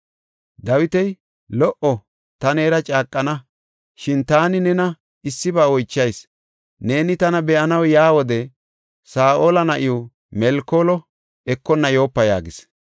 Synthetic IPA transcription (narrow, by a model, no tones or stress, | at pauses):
d̪ɐwɪt̪ɛj | lɔʔɔ | t̪ɐne̞ːɾɐt͡ʃʼaːkʼːɐnɐ | ʃɪnt̪aːnɪnɛnɐ | ɪsːɪbaːɔjt͡ʃːɐjs | ne̞ːnɪt̪ɐnɐbɛʔɐnɐwjaːwɔd̪ɛ | saːʔoːlɐnɐʔɪjɔ | mɛlkːoːlɔ | ɛkːɔnːɐjo̞ːpːɐja̰ːɡɪs